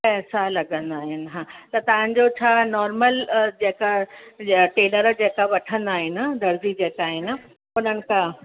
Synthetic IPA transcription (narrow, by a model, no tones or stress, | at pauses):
pɛɦsalɐɡə̃nd̪aːɦɪnɪ̆ɦãːt̪ɐt̪ɐʋ̤ə̃ɲ̆d͡ʑot͡ɕʰaːnɔːɾməld͡ʑeːka | ʈeːnəɾd͡ʑeːkaʋɐʈʰə̃nd̪aːɦɪnɪ̆d̪ʱɐɾzid͡ʑeːkaːɦɪnɪ̆ | ʊnənɪ̆kʰã